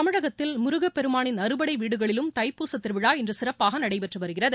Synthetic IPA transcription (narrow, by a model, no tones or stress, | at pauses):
t̪ɐmɪɻɐɣɐt̪ːɪlmʊɾʊɣɐpːɛɾɯmaːɳɪnɐɾɯbɐɽɐɪʋiːɽɯɣɐɭɪlɯmt̪ɐɪpːuːsɐt̪ːɪɾʋɪɽaːɛndrɯsɪrɐpːaːɣɐnɐɽɐɪpɛʈrɯʋɐɾɯɣɪrɐðɯ